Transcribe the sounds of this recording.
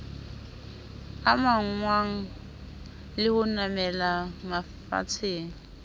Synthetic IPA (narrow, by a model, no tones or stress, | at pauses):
amaŋ̩ŋwaŋ̩ | lɪhʊnamɛlama | fa̰t͡sʰeːŋ̩